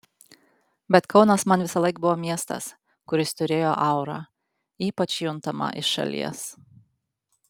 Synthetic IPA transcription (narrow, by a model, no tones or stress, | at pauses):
bʲɛt̪kʰɒʊnɐsmɐnʋʲɪsɐlˠɐɪk̚bʊʋoːmʲiɛst̪ɐ̰s | kʊɾʲɪst̪ʊɾʲeːjoːʔɐʊɾɑ̰ː | iːpɐt͡ʃjʊnt̪ɐmɐ̰ʔɪʃɐ̰lʲḭɛs